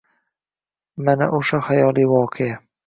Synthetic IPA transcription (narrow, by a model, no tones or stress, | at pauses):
mana̰ʔoʃahajɒːlˠiwɒːqʰea